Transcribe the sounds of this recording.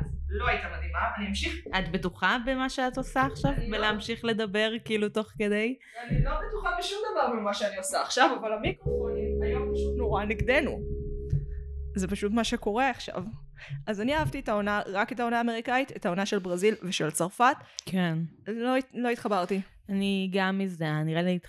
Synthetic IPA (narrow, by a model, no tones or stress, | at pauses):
azlo̞ait̪amad̪imaniamʃiχatbetuχabemaʃeat̪osaːχʃavbeleamʃiχle̞d̪ɐbe̞ʁkiːluto̞χke̞d̪e̞j | anilo̞betuχabeʃumd̪ɐvaʁbemaʃeaniosaːχʃavavalamikʁofonimajomʃunoʁaniɡd̪e̞nu | zepaʃutmaʃe̞ko̞ʁe̞aχʃa̰vʔazaniaavtietao̞naʁaketao̞naːme̞ʁikait̪etao̞naʃe̞lbʁazilveʃe̞lt͡saʁfat̪kʰenlo̞lo̞it̪χabaʁt̪i | aniɡamizeaniʁelit